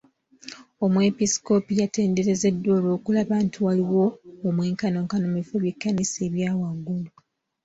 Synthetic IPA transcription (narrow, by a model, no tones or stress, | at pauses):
o̞mwe̞pisi̥ko̞pijate̞ːnde̞ɾe̞ze̞dːwo̞ːlo̞ːkulaβaːntʰuwaliwo̞ːmweːŋkano̞ːŋkanomifoβjikːanise̞ːβjaːwaɡulu